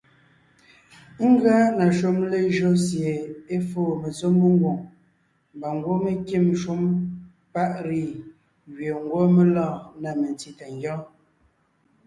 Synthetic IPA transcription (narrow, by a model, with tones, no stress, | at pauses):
ŋ̩˦ɡa˦na˨ʃo˦mle˦ʒo˦sje˨e˦foː˦˨me˨zo˦mːə˦ŋ˦ɡwo˨ŋ | m˨ba˨ŋ˦ɡwo˦me˦ki˦˨mʃu˦m | pa˦ʔɾi˦˨ | ɣɥe˨ŋ˦ɡwo˦me˦lɔ̃ː˦˨na˨me˨n˨ti˨ta˨ŋɡjɔ̃˦